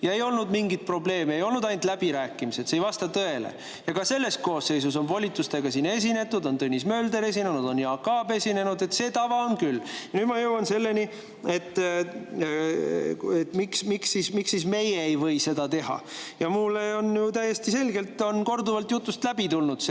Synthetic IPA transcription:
jɑe̞jo̞lnud̪miŋɡit̪̚pro̞ble̞ːmeejo̞lnud̪ɑjnt̪ˑlæb̥iɾæːkːˑimise̞t̪sejvɑst̪ɑt̪ɤe̞lḛ | jɑkɑse̞lːe̞st̪̚ko̞ːsːe̞js̬us̬o̞nvolʲit̪ːˑust̪e̞ɡ̥ɑsiːnːe̞s̬ʲine̞t̪ːud̪o̞nt̪ɤnʲːismø̞ːld̪e̞ɾe̞s̬ʲinenud̪̥o̞njɑkɑːbe̞sʲine̞nud̪e̞t̪se̞ːt̪ɑvɑonkylːjjɑnyːd̪mɑjɤwɑnse̞lːe̞ni | et̪ː | et̪ːmiksmiksismiksisme̞jeejvɤ̞jse̞d̪ɑt̪e̞ɦɑ̰jɑmulːeo̞njut̪æje̞st̪ise̞lɡelt̪ˑːo̞nko̞rd̪uvɑlt̪jut̪ˑːust̪læbit̪ulnud̪̥s

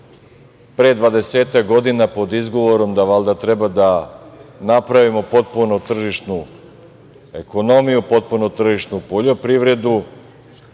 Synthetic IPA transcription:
pɾed̪ʋad̪e̞seːt̪akɡo̞d̪inapo̞d̪izɡo̞ʋo̞ɾo̞md̪aʋalˠd̪at̪ɾe̞bad̪a | napɾaʋimo̞po̞t̪̚punot̪r̩ʒiʃnu | e̞ko̞no̞mijupo̞t̪̚punot̪r̩ʒiʃnupoʎo̞pɾiʋɾe̞d̪u

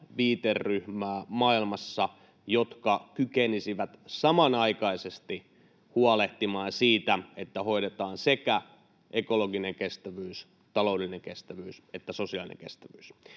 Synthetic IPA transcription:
ʋiːt̪erːyhmæːmɑilmɑsːɑ | jot̪kɑkykenisiʋæt̪sɑmɑnɑikɑisest̪i | huɑleht̪imɑːnsiːt̪æet̪ːæho̞iɾet̪ɑːnsekæ | ʔekoloɡineŋkest̪æʋyːs | t̪ɑlouwdelːineŋkest̪æʋyːset̪ːæsosiɑlinḛŋkḛst̪æʋyːs

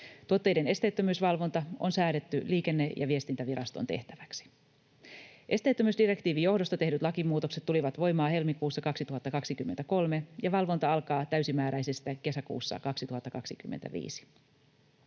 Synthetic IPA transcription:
t̪uot̪ːejde̞ne̞st̪e̞jt̪ːømyːsʋɑlʋo̞nt̪ɑonsæːɾe̞t̪ːyliːke̞nːe̞jɑ̰ʋie̞st̪int̪æʋiɾɑst̪o̞̰nt̪e̞̰ht̪æʋæksi̥ | ʔe̞st̪e̞jt̪ːømyːsdire̞kt̪iːʋijo̞hdost̪ɑt̪e̞ɦdyt̪lɑkimːuːt̪o̞kset̪ːuliʋɑt̪ʋo̞jmɑːhe̞lmikuːsːɑkɑksit̪uɦɑt̪ːɑkɑksikymːent̪æko̞lme̞jɑʋɑlʋo̞nt̪ɑɑlkɑːt̪æɥsimæːɾæjsest̪æke̞sækṵːsːɑ̰kɑksit̪uhɑt̪ːɑkɑksikymːent̪æ̰ʋḭːsi̥

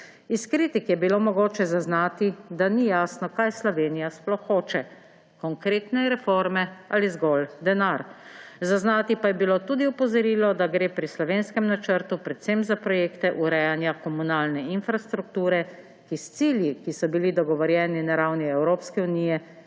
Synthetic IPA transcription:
iskɾiːt̪ikjɛbiloːmɔɡoːt͡ʃɛzaznaːt̪id̪anijasnɔkajslɔʋeːnijasplɔxːoːt͡ʃɛ | kɔŋkɾeːt̪nɛɾɛfoɾmɛalizɡɔld̪ɛnaɾzaznaːt̪ipajɛbiloːt̪uːd̪iɔpɔzɔɾiːlɔd̪aɡɾeːpɾislɔʋeːnskɛmnat͡ʃəɾt̪upɾɛt̪semzapɾɔjeːkt̪ɛʔuɾɛjanjakɔmunaːlnɛinfɾast̪ɾuk̚t̪uːɾɛ | kist̪siːljikisɔbilid̪ɔɡɔʋɔɾjɛːninaɾawniɛwɾoːpskɛuniːjɛ

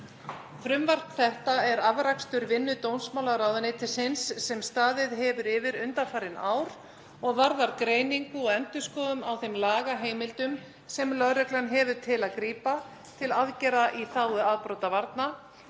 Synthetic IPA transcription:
fɾʏmvar̥t̪θɛht̪aɛɾavɾakst̪ʏɾvɪnːʏt̪ownsmawlaɾaːwðʏnɪt̪ʰɪlsɪnsːɛmst̪aːðɪðɦɛvʏɾɪvɪɾʏnt̪afaːɾɪna̰ːwɾ̥ | ɔɣvaɾðaɾkɾeːjniŋkʏɔɣɛnt̪ʏskɔːðʏmawθejmlaːɣaɦeːjmɪlt̪ʏm | sɛmlœðɾœklanɦɛvʏt̪ʰɪlaðkɾiːpa | t̪ʰɪlaðcɛɾaʔiθaːwʏaðpɾowt̪avaɾt̪na

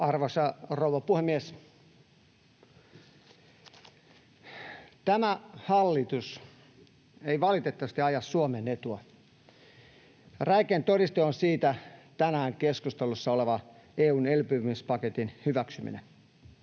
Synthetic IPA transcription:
ɑrʋosɑrouʋɑpuhemːies | t̪æmæhɑlːit̪us | eiʋɑlit̪et̪ːɑʋɑst̪iɑjɑssuomenet̪uɑ | ræikent̪oɾist̪oonsiːt̪æt̪ænæːŋkeskust̪elusːɑoleʋɑ | eːuːnelpymispɑket̪inhyʋæksymḭnḛ

